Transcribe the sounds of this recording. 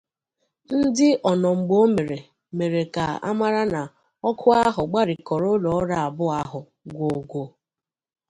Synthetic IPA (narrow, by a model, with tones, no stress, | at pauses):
n̩˦dɪ˦ʔɔ˨nɔ˨ŋ͡m̩˨ɡ͡bo˦me˨ɾe˨ | me˨ɾe˨ka˨a̰˦ma˦ɾa˦na˨ | ɔ˦kʰʊ˦a˦ɦʊ˨ɡ͡ba˦ɾɪ˨kɔ˨ɾʊ˦lɔ˨˦ɾa˨a˨bʊ˦a˦ɦʊ˨ | ɡʷo˨ɡʷo˨